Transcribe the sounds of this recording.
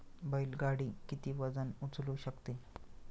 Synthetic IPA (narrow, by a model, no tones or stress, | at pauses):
bɔilɡaɽiːkit̪iːʋəd͡zənut͡sluːɕəkt̪e